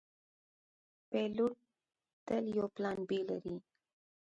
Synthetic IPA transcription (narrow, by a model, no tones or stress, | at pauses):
peluʈ | t̪əljoplanbilə̰ɾi